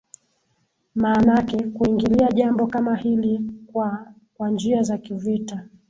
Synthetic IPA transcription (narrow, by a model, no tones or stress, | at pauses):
maːnakɛkuiŋɡiliaʄambɔkamahili | kwand͡ʒiazakivita